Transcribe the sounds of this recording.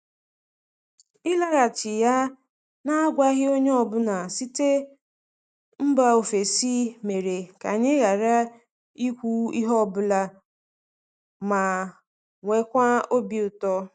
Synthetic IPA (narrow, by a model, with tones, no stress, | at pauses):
ɪ˦la˦ɣa˨t͡ʃɪ˨ja˦ | na˦ɡʷa˦ɣɪ˦o˦ɲe˦ɔ˨bʊ˦na˨si˦te˦ | m̩˦ba˦o˨fe˨si˦me˨ɾe˨ka˨ɲɪ˦ɣa˨ɾa˦ | i˦kʷu˦i˦ɦɔ˦˨bʊ˦la˦ | ma˨ | ŋʷe˦kʷa˦o˦bi˨ʊ˨tɔ˦